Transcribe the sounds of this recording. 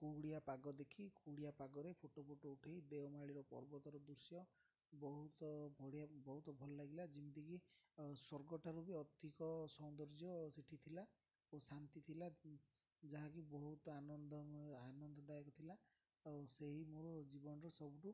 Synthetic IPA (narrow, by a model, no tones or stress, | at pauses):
kuɽiapaɡɔd̪ekʰikuɽijapaɡɔɾepʰoʈopʰoʈouʈʰejd̪ewmaɭiɾɔpɔ̰ɾbɔt̪ɔɾɔd̪uɾsjɔ | bɔɦut̪ɔbʱɔɽijabɔɦut̪ɔbʱɔlɔlaɡilad͡ʒimit̪ikisɔɾɡɔʈaɾubiɔt̪ikɔsɔw̃d̪ɔɾd͡ʒjɔsiʈʰit̪ʰila | osant̪it̪ʰila | d͡ʒaɦãkibɔɦut̪ɔanɔnd̪ɔanɔnd̪ɔd̪ajekɔt̪ʰila | seɦimoɾɔd͡ʒibɔnɔɾɔsɔbuʈu